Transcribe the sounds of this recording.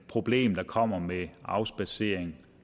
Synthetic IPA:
pʰʁo̝b̥le̝̰ːmd̥ɑ̈kʰɒ̽m̰ɐmeɑ̈ʊsb̥æse̝ːɐ̰eŋ

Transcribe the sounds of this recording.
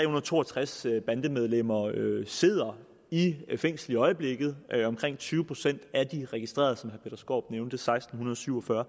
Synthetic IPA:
t͡sʁɛ̰ːhunɐð̩ˠt͡sʰo̝̰ːɒt͡sʰʁasb̥ænd̥əmeð̞ˠlem̰ɐøse̝ð̞̰ˠɐ | ifeŋ̰sd̥l̩iɒ̽ɪəb̥le̝ɡ̥ð̞̩ˠɒ̽mkʰʁeŋ̰t͡sʰyːʊəpʰʁo̝̥sen̰d̥æd̥iʁɛɡ̥isd̥ʁḛɐð̞ˠsɒ̽mhæɐpʰed̥ɐsɡ̥o̝̰ːb̥̚neʊnd̥əsɑ̈ɪsd̥n̩hunɐðˠɒ̽syʊ̰ɒ̽fɶɐ

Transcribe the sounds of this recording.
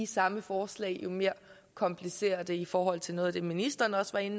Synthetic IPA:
isɑ̈məfɒːslɛ̰ɪjo̝me̝ːɐ | kʰɒ̽mpʰlise̝̰ːɐd̥əifɒːɦɒ̽l̰t͡sʰe̝lno̽ːð̩ˠæd̥e̝minisd̥ɐːnɒ̽sʋɑ̈e̝n

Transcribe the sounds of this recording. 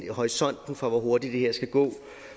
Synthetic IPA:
hɒisɒ̽n̰d̥n̩fʁɑ̈ʋɒɦo̝ɐd̥idd̥e̝heɐ̰sɡ̥æɡ̥ɔ̰̽ː

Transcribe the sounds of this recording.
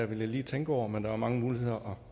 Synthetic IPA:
æʋe̝ljɑɪliːt͡sʰeŋɡ̥əɒʊ̰ɐmend̥ɑ̈æɐmɑ̈ŋəmuːlihe̝ð̰ˠɐʔɒ̽

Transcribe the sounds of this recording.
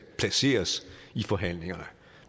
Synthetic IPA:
pʰlæse̝̰ːɐsifɒ̽ɦæn̰le̝ŋɐnə

